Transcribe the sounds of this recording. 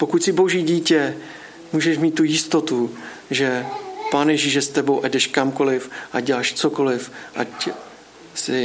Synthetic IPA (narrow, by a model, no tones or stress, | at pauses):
po̞kucsɪbo̞ʒiːɟiːcɛ | muːʒɛʃmiːt̪̚ːujɪst̪o̞t̪u | ʒɛpaːnjɛʒiːʃjɛst̪ɛbo̞wʔadɛʃkamko̞lɪfʔaɟɛlaːʃt͡soko̞lɪfʔac | sɪ